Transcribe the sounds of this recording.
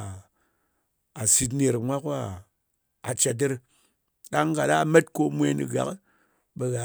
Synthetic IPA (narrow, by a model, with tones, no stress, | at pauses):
a˨si˧t̬ne˧ɾmʷa˦ka˦ | a˨t͡ʃa˧t̬ːe˦ɾ | ɗa˦ŋ˦ka˨ɗa˦˨me˦tko˧mʷe˧˦nḭ˨ɡa̰˨k | ɓe˧ɣa˨